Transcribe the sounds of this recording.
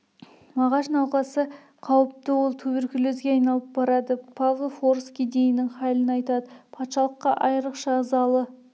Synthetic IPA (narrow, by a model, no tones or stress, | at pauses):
mɑʁɑʃnɑwqɑsə | qʰɑwəp̚t̪əwo̞lˠt̪ʰɵbeɾkʲɪlezɡʲeɑjnɑlˠəp̚bɑɾɑd̪əpʰɑʁəfoɾskʲijd̪ejɪnːɪŋχɑjlənɑjt̪ɑd̪əpʰɑt̪ʃɑlˠəqːɑʔɑjəɾəqʃɑzɑlˠə